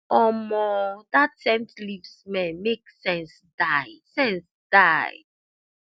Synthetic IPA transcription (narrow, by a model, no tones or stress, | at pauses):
ɔmɔdatsɛ̃mtlivsmɛ̃nmeksɛ̃ns | daɪsɛ̃ns | d̥aɪ